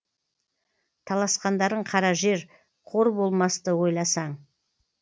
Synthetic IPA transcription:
t̪ʰɑlˠɑsqɑnd̪ɑɾəɴqʰɑɾɑʒe̞ɾ | qʰo̞ɾbo̞lˠmɑst̪əwo̞jlˠɑsɑɴ

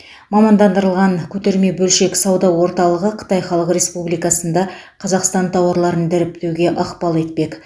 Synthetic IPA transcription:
mɑmɑnd̪ɑnd̪əɾəlˠʁɑŋkʲʰɵt̪e̞ɾme̞bɵlʃe̞ksɑwd̪ɑwo̞ɾt̪ɑlˠəʁəqʰə̥t̪ɑjχɑlˠəqɾe̞spublijkɑsənd̪ɑ | qʰɑzɑqst̪ɑnt̪ʰɑwɑɾlˠɑɾənd̪ɪɾɪp̚t̪ewɡʲe̞ʔɑqpɑlˠet̪pe̞k

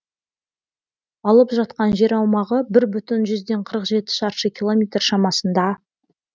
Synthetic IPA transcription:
ɑlˠəpʒɑt̪̚qɑnʒe̞ɾɑwmɑʁəbɪɾbʏt̪ɪnʒʏzd̪e̞ɴqʰəɾəqʒe̞t̪ɪ̥ʃɑɾʃəkʲilˠo̞mʲet̪rʃɑmɑsənd̪ɑ

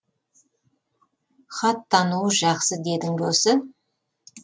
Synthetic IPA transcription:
χɑt̪ʰːɑnuəʒɑqsəd̪e̞d̪ɪŋd̪osə

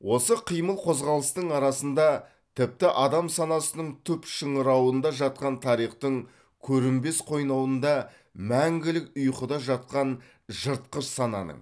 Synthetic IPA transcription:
wo̞səqʰijməlˠqʰo̞zʁɑlˠəst̪əɴɑɾɑsənd̪ɑ | t̪ʰɪp̚t̪ɪʔɑd̪ɑmsɑnɑsənəɴt̪ʰʏpʃəɴəɾɑwənd̪ɑʒɑt̪̚qɑnt̪ʰɑɾijχt̪əɴ | kʲʰɵɾɪmbe̞sqʰo̞jnɑwənd̪ɑ | mæŋɡʲɪlɪkʊjqəd̪ɑʒɑt̪̚qɑn | ʒəɾt̪̚qəʃsɑnɑ̰nə̰ɴ

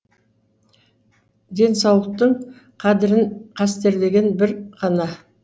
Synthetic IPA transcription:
d̪e̞nsɑwlˠəq̚t̪əɴ | qʰɑd̪ɪɾɪɴqʰɑst̪e̞ɾle̞ɡʲe̞nbɪɾqʰɑnɑ

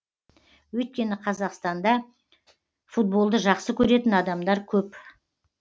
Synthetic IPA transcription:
wɵjt̪̚kʲe̞nɪqʰɑzɑqst̪ɑnd̪ɑ | fut̪̚bo̞lˠd̪əʒɑqsəkʲʰɵɾe̞t̪ɪnɑd̪ɑmd̪ɑɾkʲʰɵp

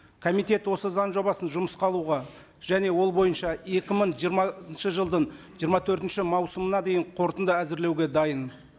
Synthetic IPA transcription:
kʰomit̪e̞t̪wo̞səzɑnʒo̞bɑsənʒʊməsqʰɑlˠuʁɑ | ʒ̥æne̞wo̞lˠbo̞jənʃɑe̞kʲɪməɴʒijəɾmɑənʃəʒəlˠd̪əɴʒijəɾmɑt̪ʰɵɾt̪ɪnʃɪmɑwsəmənɑd̪e̞jɪɴqʰo̞ɾt̪ənd̪æzɪɾle̞wɡʲe̞d̪ɑjən

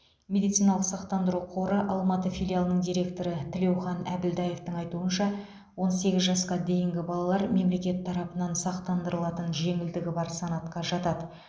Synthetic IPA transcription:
mʲe̞d̪it̪sijnɑlˠəqsɑqt̪ɑnd̪əɾuqʰo̞ɾəʔɑlˠmɑt̪əfʲijlʲˠijalˠənəɴd̪ijɾʲe̞kt̪o̞ɾət̪ʰɪle̞wχɑnæbɪld̪ɑje̞ft̪əŋɑjt̪uənʃɑ | wo̞nse̞ɡʲɪzʒɑsqɑd̪e̞jɪŋɡʲɪbɑlˠɑlˠɑɾme̞mle̞kʲe̞t̪ʰːɑɾɑpənɑnsɑq̚t̪ɑnd̪əɾəlˠɑt̪ənʒe̞ŋɪld̪ɪɡʲɪbɑɾsɑnɑt̪qɑʒɑt̪ɑd̪ə

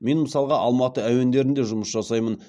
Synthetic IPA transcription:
me̞nməsɑlˠʁɑʔɑlˠmɑt̪əæwe̞nd̪e̞ɾɪnd̪eʒʊməsʒɑsɑjmən

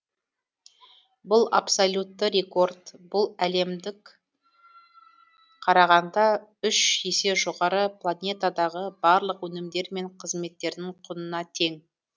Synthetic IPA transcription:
bʊlˠa̰psolʲut̪ːəɾʲe̞ko̞rd̪bʊlˠæle̞md̪ɪk | qʰɑɾɑʁɑnd̪ɑʏʃje̞se̞ʒo̞ʁɑɾəplˠanʲe̞t̪ad̪ɑʁəbɑɾlˠəqwɵnɪmd̪e̞ɾme̞ɴqʰəzme̞t̪ːe̞ɾd̪ɪŋqʰʊnənɑt̪ʰe̞ŋ

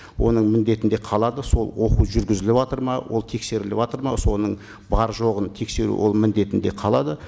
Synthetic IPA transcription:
wʔo̞̰nəɴmɪnd̪e̞t̪ɪnd̪e̞qʰɑlˠɑd̪əso̞lˠwo̞quʒʏɾɡʲɪzɪlɪpɑt̪əɾmɑwʔo̞̰lˠt̪ʰe̞kse̞ɾɪlɪpɑt̪əɾmɑso̞nəɴ | bɑɾʒo̞ʁənt̪ʰe̞kse̞ɾṵwo̞̰lˠmɪnd̪e̞t̪ɪnd̪e̞qʰɑlˠɑd̪ə

